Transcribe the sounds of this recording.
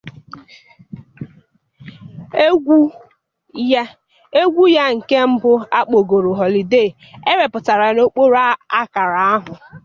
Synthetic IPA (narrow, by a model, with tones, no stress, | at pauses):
ɡu˦ | j | e˦ɡʷu˦ja˦ŋ̩˨ke˦m̩˦bʊ˦a˦k͡po˨ɡo˨ɾo˨ɦɔ˨li˨de˦˨ | e˦ɾe˨pʊ˨ta˨ɾa˨˦˨no˦k͡po˦ɾa˦a˦ka˨ɾa˨a˦ɦʊ˨